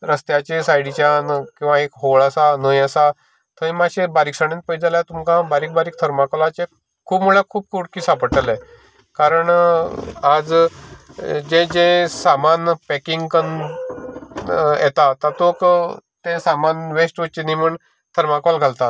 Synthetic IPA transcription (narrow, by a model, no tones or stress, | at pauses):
ɾəst̪jat͡ɕesajɽit͡ɕjankĩw̃ʋãekɦoɭasanəjəsa | t̪ʰə̃ĩmaɕebaɾiksəɽ̃ẽnt̪̚pəjd͡zaljat̪umkãbaɾiːk̚baɾiːk̚t̪ʰəɾmakalat͡ɕe | kʰuːpmuɭakʰuːb̚kʰuʈkiːsapəʈəlɛ̃ | kaɾəɳ | ad͡z | d͡ʑẽd͡ʑẽsamanpɛkiŋɡkən | jɛt̪at̪at̪okt̪ẽsamanʋesʈʋət͡ɕenimuɳ | t̪ʰəɾmakʋalɡʱalt̪at̪̚